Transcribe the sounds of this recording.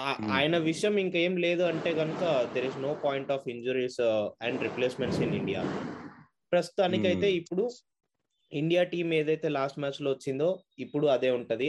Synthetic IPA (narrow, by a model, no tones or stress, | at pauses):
aa̰ːjɐnɐʋiʂɐjɐmiŋke̞ːmle̞ːd̪uɐɳʈe̞ːɡɐnukɐd̪eɾizno̞ːpaːjɳʈɔːfiɲd͡ʒuɾisɛɳɖɾipleːsmeɳʈsiniɳɖija̰ː | pɾɐst̪u̥t̪aːnikiɐjt̪e̞ːipːuɽu | iɳɖijaːʈiːme̞ːd̪ɐjt̪e̞ːlaːsʈmæːt͡ʃloːʋɐt͡ʃːind̪o̞ːipːuɽuɐd̪e̞ːuɳʈund̪i